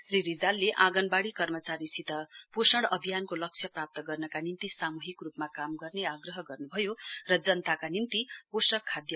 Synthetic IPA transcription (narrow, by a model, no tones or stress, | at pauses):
sriɾid͡zalːeʔãɡʌnbaɽikʌrmʌt͡saɾisit̪ʌposʌɽʌbʱijankolʌk̚t͡sʰjʌprap̚t̪ʌɡʌrnʌkanint̪isamuɦikrupmakamɡʌrneaɡrʌɦʌɡʌrnubʱʌjorʌd͡zʌnt̪akanint̪iposʌkʰːad̪jʌ